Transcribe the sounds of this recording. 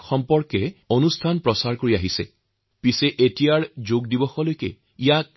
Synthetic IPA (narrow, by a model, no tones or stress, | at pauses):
xɔmpɔɹkɛonustʰanpɹɔsaɹkoɹiaɦisɛ̰ | pisɛʔetijaɹzoɡdibɔxɔlojkɛ̰ | ijak̚